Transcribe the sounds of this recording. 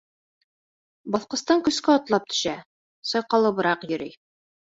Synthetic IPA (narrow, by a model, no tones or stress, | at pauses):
bɒθqɤ̆st̪ɑŋkɵ̆skæɒt̪lˠɑp̚t̪ʰɵ̥̆ʃæ | sɒjqɑlˠɤ̆bɤ̆ɾɑqjɵ̆ɾij